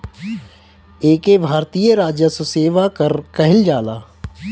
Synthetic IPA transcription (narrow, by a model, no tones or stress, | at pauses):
eːkebʱaːɾt̪ijəɾaːd͡ʒjəsuseːʋakəɾkɐɦɪld͡ʒaːlaː